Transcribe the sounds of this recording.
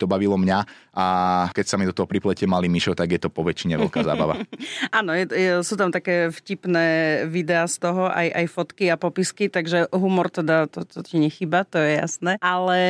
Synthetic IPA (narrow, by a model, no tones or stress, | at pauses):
t̪ɔbaʋilɔmɲa | ʔakɛcsamid̪ɔt̪ɔɦɔpɾiplɛcɪɛmalimiʃɔt̪aɡjɛt̪ɔpɔʋɛt͡ʃiɲɛʋɛ̰lkaːza̰ːbaʋa̰anɔjɛtɛsuːt̪amt̪akɛːfcipnɛːʋid̪ɛaːst̪ɔɦɔʔa̰jʔajfɔt̪kiapɔpiskit̪aɡʒɛɦumɔɾt̪ɛd̪at̪ɔt̪ɔciɲɛxiːbat̪ɔjɛja̰snɛːʔalɛ